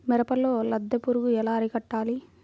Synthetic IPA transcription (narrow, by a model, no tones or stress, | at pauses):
mɛɾɐpɐlːoːlɐd̪ːɐpuɾuɡuɛlaːɐɾikɐʈːaːli